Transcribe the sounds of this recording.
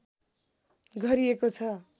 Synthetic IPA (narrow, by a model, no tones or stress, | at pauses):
ɡʱʌɾiekot͡sʰʌ